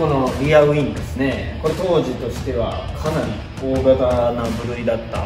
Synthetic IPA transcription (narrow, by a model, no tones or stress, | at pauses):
o̞no̞ɾʲiaɯ̟ĩnd̪e̞sɨne̞ko̞et̪o̞ːʑit̪o̞ɕi̥t̪e̞β̞a̰kʰanaɾʲi | oːɡat̪anabɯ̟ɾɯ̟id̪at̪ːa̰